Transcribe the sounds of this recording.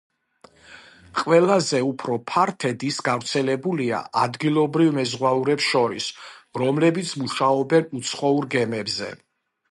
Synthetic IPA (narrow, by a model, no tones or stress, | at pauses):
qʼwɛlˠazɛupʰɾɔpʰaɾt̪ʰɛd̪isɡavɾt̪sʰɛlɛbulia̰ad̪ɡilˠɔbɾivmɛzʁwauɾɛpsʃɔɾḭsɾɔmlɛbit̪sʰmuʃaɔbɛnut̪sʰχɔuɾɡɛmɛbzɛ̰